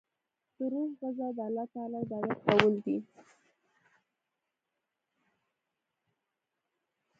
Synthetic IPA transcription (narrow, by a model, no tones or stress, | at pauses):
t̪əɾoɣəzad̪əalːɑt̪ɑlad̪awat̪kawəld̪i